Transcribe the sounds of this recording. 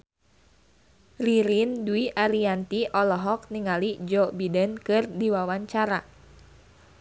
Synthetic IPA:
riɾinduiʔaɾiant̪iʔɔlɔɦɔk̚niŋalid͡ʒɔbidənkɨrdiwawaɲt͡ʃaɾa

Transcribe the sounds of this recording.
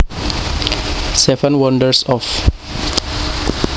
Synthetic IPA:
sɛvə̃nwɔ̃ndəɹsɔf

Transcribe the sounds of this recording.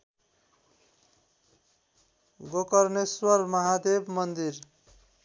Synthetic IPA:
ɡokʌrneswʌrmʌɦad̪ebmʌnd̪ir

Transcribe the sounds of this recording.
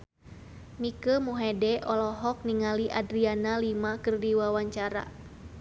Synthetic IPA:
mikəmuɦɛdɛʔɔlɔɦɔk̚niŋaliʔadɾianalimakɨrdiwawaɲt͡ʃaɾa̰

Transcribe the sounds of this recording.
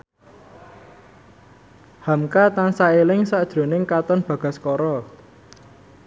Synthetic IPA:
hamkat̪ansaelɪŋsaʔd̥ʒ̥ɾo̤nɪŋkat̪ɔnb̥ä̤ɡ̥a̤skɔɾɔ

